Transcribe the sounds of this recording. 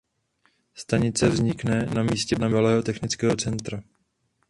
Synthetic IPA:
st̪aɲɪt͡sɛvzɲɪknɛnamiːscɛnamvalɛːɦo̞t̪ɛxnɪt͡skɛːɦo̞t͡sɛnt̪ɾa

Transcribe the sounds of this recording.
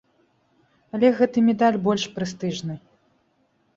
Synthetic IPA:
ɐlʲɛɣɛt̪ɨmʲɛd̪alʲbɔlʲʂpɾɨst̪ɨʐnɨ

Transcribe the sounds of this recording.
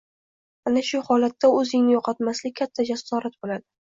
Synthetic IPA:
anaʃʊhɒlat̪ːaɵzɪŋnɪjoqʰɑt̪maslɪkʲkʰat̪ʰːad͡ʒasːɒɾat̪̚bolad̪ɪ

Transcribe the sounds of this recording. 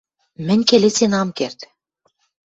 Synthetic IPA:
mɘ̆nʲkelet͡senɑmkert̪

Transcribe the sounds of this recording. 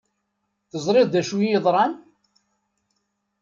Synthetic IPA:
θəzˤɾˤɪððæʃujəðˤɾˤɑn

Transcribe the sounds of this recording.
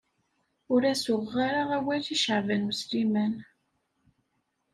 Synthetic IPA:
ʊɾæsʊʁːaɾaʁæwæθiʃəʕvənuslimæn

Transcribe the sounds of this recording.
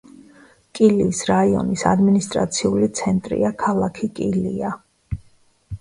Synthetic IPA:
kʼiliːsɾaiɔ̰nisa̰d̪minist̪ʼɾa̰t̪sʰiulit̪sʰɛnt̪ʼɾḭakʰalˠakʰikʼilia

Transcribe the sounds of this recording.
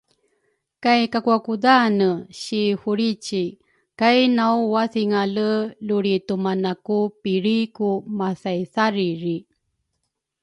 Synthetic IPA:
kajkakuakudanəɕihuɾit͡ɕi | kajnawwaθiŋaləluɾitumanakupiɾikumasajsaɾiɾi

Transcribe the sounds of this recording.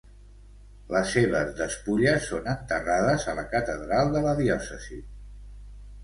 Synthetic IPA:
ləsːeβ̞əzðəspuʎəsːonənt̪əraðəzələkət̪əðɾalˠd̪ələðiɔsəzi

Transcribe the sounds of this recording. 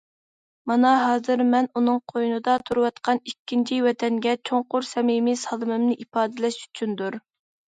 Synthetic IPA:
mɑnɑɦɑːzɨɾmɛnunɨŋqʰojunɨd̪ɑt̪ʰuɾɨwɑt̪qʰɑnikʲːint͡ʃʰiwɛt̪ʰɛnɡʲɛt͡ʃʰoŋqʊɾsɛmimɪsɑlˠɨmɨmnɨʔipɑːd̪ɪlɛʃy̥t͡ʃʰynd̪uɾ

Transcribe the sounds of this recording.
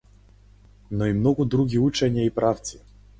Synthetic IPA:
nɔimnɔɡud̪ɾuɡʲiut͡ʃɛnʲiaipɾaft̪si̥

